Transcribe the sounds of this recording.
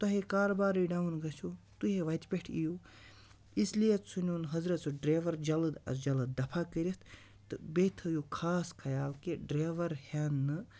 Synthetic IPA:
t̪ɐɦekaːɾbaːɾiɖaːunɡɐsʰot̪uɦeʋɐt̪ʲpʲeʈʰijo | islijet̪sunonɦɐzɾɐt̪soɖɾeːʋɐɾd͡ʒɐlɐd̪ɐ̰sd͡ʒɐlɐd̪d̪ɐpʰakəɾʲit̪ʰ | t̪ɨbet̪ʰɨjokʰaːskʰɐjaːlkeɖɾeːʋɐɾhʲanːɨ

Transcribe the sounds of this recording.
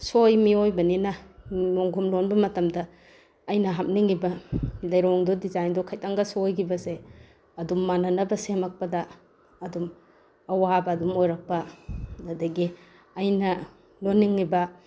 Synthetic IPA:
sojmiojbɐninɐmoŋɡʱumlonbɐmɐtɐmdɐː | jnɐɦam̚niŋːibɐlɐjɾaŋdɔdizajndɔkʰajtaŋɡɐsojɡibɐse | ɐdumːanɐnɐbɐsemɐk̚pɐdɐ | ɐdum | ɐwabɐːdumojɾɐk̚pɐnɐdɐɡi | ɐjnɐ | lonːiŋːibɐ

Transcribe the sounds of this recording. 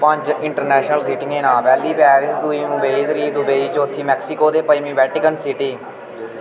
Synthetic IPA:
pə̃ɲt͡ʃɪɳʈəɾnɛːʃnəlsiːʈɪ̃ŋɡeːnaːʋɛːliːpɛːɾɪsd̪ʊiːmʊbeːiːd̪ɾiːd̪ʊbeːiːt͡ʃot̪ʰːiːmɛːksɪkoːd̪eːpəiːmĩːʋɛːʈɪkənsɪʈiː

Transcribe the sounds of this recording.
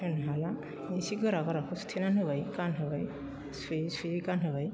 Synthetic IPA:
ɯnɦala | isiɡɯɾaɡɔɾakʰust̪ʰenanɦɯbajkanɦɯbaj | sisiikanɦɯbaj

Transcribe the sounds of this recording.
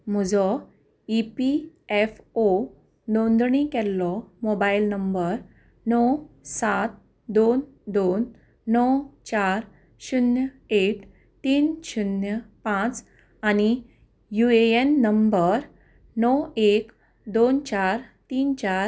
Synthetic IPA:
m̤ud͡zɔ | ipiɛfo | d̪ɔ̃nd̪ɳikɛlːɔmobailnəmbəɾ | nɔw | sat̪̚ | d̪on | d̪onː | ɔwt͡ɕaɾ | ɕunjə | eʈ | t̪iːnɕunjəpãt͡s | añi | jueenːəmbəɾ | nɔwek | d̪ont͡ɕaɾt̪iːnt͡ɕaɾ

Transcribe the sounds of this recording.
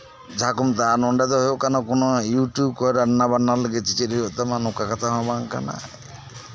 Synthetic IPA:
d͡ʒʱakumt̪anɔɳɖat̪ɔɦɔjokanɔkunɔjuʈjub̚kɔɾanːabanːaɾləɡet͡ʃit͡ʃeɾɦojot̪amanũkakɔt̪ʰaɦɔ̃baŋka̰na̰

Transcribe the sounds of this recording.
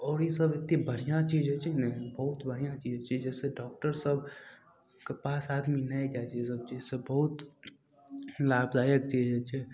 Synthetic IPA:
ɔːɾjesɐbɪt̪nĩbəɾijãt͡ʃiːd͡ʒɦɛt͡ʃʰinɛbɐɦʊt̪bəɽ̤ijãt͡ʃiːd͡ʒɦɛt͡ʃid͡ʒɛːseɖɔːk̚ʈəɾsəb | kepaːsaːd̪minɐĩd͡ʒat͡ʃes̬ɐb̚t͡ʃiːzsebɐɦʊt̪ | laːbd̪aːjək̚t͡ʃiːd͡ʒɦɛt͡ʃʰɛː

